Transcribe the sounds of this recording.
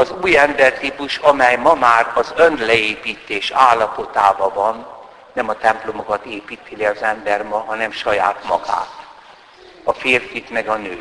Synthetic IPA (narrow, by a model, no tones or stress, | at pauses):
ɒzuːjɛmbɛrt̪ipuʃɒmɛjmɒmaːrɒzønd̪lɛeːpiːt̪eːʃaːlːɒpo̞t̪aːvɒvɒnː | ɛmɒt̪ɛmplo̞mo̞kɒt̪eːpiːt̪iliɒzɛmbɛrmɒɦɒnɛmʃɒja̰ːt̪mɒ̰ɡa̰ːt̪ | ɒfeːrfit̪mɛɡɒnøː